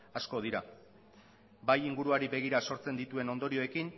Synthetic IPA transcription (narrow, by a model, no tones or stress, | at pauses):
asko̞ð̞iɾa | bajiŋɡuɾuaɾibe̞ɣ̞iɾaso̞ɾt͡se̞nd̪it̪ue̞no̞nd̪o̞ɾio̞e̞kin